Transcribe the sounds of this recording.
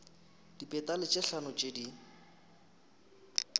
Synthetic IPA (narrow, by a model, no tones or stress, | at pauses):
d̥ipʼɛtalɪt͡ʃʼɪɬanɔt͡ʃʼedi